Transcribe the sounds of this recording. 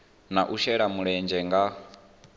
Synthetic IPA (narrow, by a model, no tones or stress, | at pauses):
naʔuʃɛɺamuɺɛnd͡ʒɛŋɡa